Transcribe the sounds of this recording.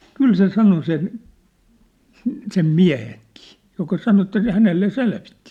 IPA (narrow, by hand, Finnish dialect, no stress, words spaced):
kyl se sɑno sen sĕ sem miæ̝heŋki̥ː jokɑ sɑno etːæ sĕ hænelːe selʋitːi̥